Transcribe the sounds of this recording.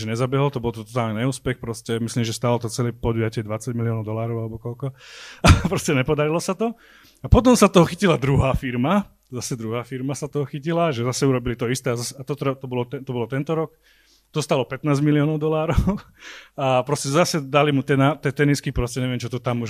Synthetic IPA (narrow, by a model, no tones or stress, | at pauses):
ɛɲɛzabɛɦɔlt̪ɔbɔlt̪ɔt̪ɔt̪aːlniɲɛuːspɛxpɾɔscɛmisliːmʒɛst̪aːlɔt̪ɔt͡sɛlɛːpɔd̪ujacɪɛd̪ʋat͡saɟmiliɔnɔʊd̪ɔlaːɾɔʊalɛbɔkɔlkɔapɾɔscɛɲɛpɔd̪aɾilɔsat̪ɔ | apɔt̪ɔmsat̪ɔɦɔxicilad̪ɾuɦaːfiɾma | zasɛd̪ɾuɦaːfiɾmasat̪ɔɦɔxicilaʒɛzasɛuɾɔbilit̪ɔist̪ɛːazasɛat̪ɔt̪ɾɛt̪ɔbɔlɔt̪ɛt̪ɔbɔlɔt̪ɛnt̪ɔɾɔk | t̪ɔst̪alɔpɛt̪naːzmiliɔːnɔʊd̪ɔlaːɾɔʊ | apɾɔscɛzasɛd̪alimut̪ɛnat̪ɛt̪ɛniskipɾɔscɛɲɛʋɪɛmt͡ʃɔt̪ɔt̪amuʒ